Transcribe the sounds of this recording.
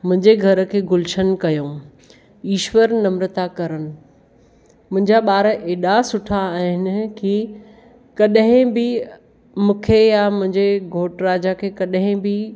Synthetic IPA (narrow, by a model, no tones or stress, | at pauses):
mʊ̃ɦɪ̃ɲd͡ʑeɡʱɐɾə̆kʰeːɡʊlɪʃənkɐjõː | iːʃwəɾnɐmɾət̪akɐɾənɪ̆ | mʊ̃ɦɪ̃ɲd͡ʑaɓaːɾəʔeːɗasʊʈʰaːɦɪnɪ̆ki | kɐɗɦɪ̃bɪ | mũːkʰejamʊ̃ɦɪ̃ɲd͡ʑeɡʱoːʈɾaːd͡ʑakʰeːkɐɗɦɪ̃bɪ